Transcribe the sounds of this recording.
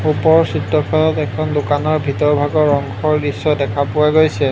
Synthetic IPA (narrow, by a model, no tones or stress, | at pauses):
upɔɹsitːɔkʰɔlɔtɛkʰɔndokanɔɹbʱitɔɹbʱaɡɔɹɔŋkʰɔɹdisːɔdɛkʰapʊwaɡojsɛ